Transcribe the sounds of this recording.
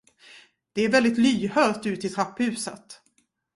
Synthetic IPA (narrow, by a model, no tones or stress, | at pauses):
d̪̥ɛæɾvɛld̪ɪt̪lyːhœːɾt̪ʉ̟ːt̪ɪt̪ʰɾapːhʉ̟ːsə̰t̪